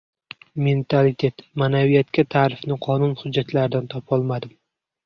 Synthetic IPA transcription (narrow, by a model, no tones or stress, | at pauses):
me̞nt̪ʰalɪt̪ʰe̞t̪manavijat̪kʲat̪ʰaːɾɪfnɪqʰɒnʊnhʊd͡ʒːat̪laɾɪd̪ant̪ʰɒpʰɒlˠmad̪ɪm